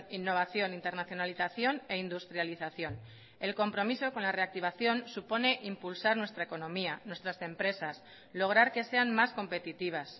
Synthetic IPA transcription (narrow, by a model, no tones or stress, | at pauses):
inːo̞β̞aθjo̞nint̪e̞ɾnaθjo̞naliθaθjo̞ne̞ind̪ust̪ɾjaliθaθjo̞n | e̞lko̞mpɾo̞miso̞ko̞nlare̞ak̚t̪iβaθjo̞nsupo̞ne̞ʔimpulsaɾnwe̞st̪ɾaeko̞nõ̞mianwe̞st̪ɾase̞mpɾe̞sas | lo̞ɣ̞ɾaɾke̞se̞anmasko̞mpe̞t̪it̪iβ̞as